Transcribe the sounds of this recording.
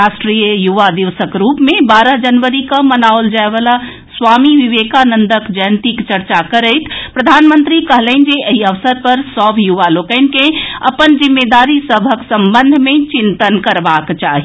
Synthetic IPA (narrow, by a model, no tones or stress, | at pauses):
ɾasʈɾijəjuʋad̪iʋsəkɾupmebaɾəɦd͡ʒənʋəɾikəmənaold͡ʒaeʋala | sʋamiʋiʋekanənd̪əkd͡ʒəjnt̪ikt͡ʃəɾt͡ʃakəɾəɪt̪ʰpɾəd̪ʱanmənt̪ɾikəɦləɪn̆d͡ʒeʔeɦiəʋsəɾpəɾsɔbʱjuʋalokəɪnkẽə̰pənd͡ʒimːed̪aɾisəbʱəksəmbənd̪ʱmet͡ʃint̪ənkəɾbakt͡ʃaɦi